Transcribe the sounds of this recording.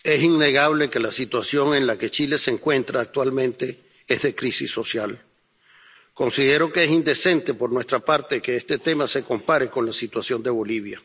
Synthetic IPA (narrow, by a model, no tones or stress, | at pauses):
e̞siŋne̞ɣaβ̞le̞ke̞lasit̪wasjo̞ŋe̞nlake̞t͡ʃile̞seŋkwe̞nt̪ɾaːk̚t̪walmẽnt̪e̞ | ezðe̞kɾisḭsːo̞sjal | ko̞nsiðe̞ɾo̞ke̞esind̪e̞se̞nt̪e̞po̞ɾnwe̞st̪ɾapaɾt̪eke̞est̪e̞t̪e̞mase̞ko̞mpaɾe̞ko̞nlasit̪wasjo̞nd̪e̞β̞o̞liβ̞ja